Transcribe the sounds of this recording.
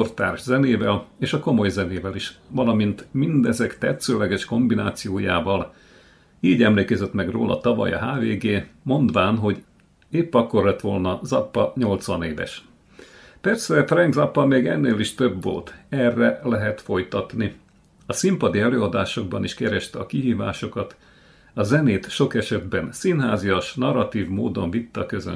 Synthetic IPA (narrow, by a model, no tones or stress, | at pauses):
ort̪a̰ːrʒzɛneːvɛleːʃɒko̞mo̞jzɛneːvɛliʃʋɒlɒmint̪mind̪ɛzɛkt̪ɛt̪søːlɛɡɛʃko̞mbina̰ːt̪sijoːjaːvɒl | iːɟɛmleːkɛzɛt̪mɛɡro̰ːlʔɒ̰t̪ɒvɒ̰jɒ̰ɦaːveːɡeːmo̞nd̪ʋaːnɦo̞ɟ | eːpːɒkːo̞rlɛt̪ʋo̞lnɒzɒpːɒɲo̞lt̪sʋɒneːvɛ̰ʃ | pɛrsɛfrɛŋɡzɒpːɒmeːɡɛ̰nːeːliʃt̪øbvo̞̰lt̪ɛrːɛlɛɦɛt̪fo̞jt̪ɒt̪ni | ɒsimpɒd̪iɛløːɒd̪aːʃo̞ɡ̚bɒniʃkɛɾɛʃt̪ɛɒkiɦiːva̰ːʃo̞kɒt̪ | ɒzɛneːt̪ʃo̞kɛʃɛd̪bɛnsinɦaːzijoʃnɒrːɒt̪iːvmoːd̪o̞ɱvit̪ːɒkøzø̰